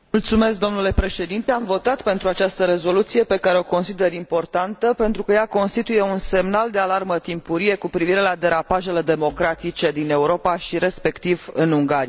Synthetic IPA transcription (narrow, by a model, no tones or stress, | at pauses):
mult̪sume̞sk̚d̪o̞mnule̞pɾe̞ʃe̞d̪int̪eamvo̞t̪at̪pe̞nt̪ɾuat͡ʃast̪əɾe̞zo̞lut̪sije̞pe̞kaɾe̞o̞ko̞nsid̪e̞ɾimpo̞rt̪ant̪əpe̞nt̪ɾukəjako̞nst̪it̪uje̞unse̞mnald̪e̞alarmət̪impuɾije̞kupɾiviɾe̞lad̪e̞ɾapaʒe̞le̞d̪e̞mo̞kɾat̪it͡ʃe̞d̪ine̞uɾo̞paʃiɾe̞spe̞kt̪ivɨnuŋɡaɾi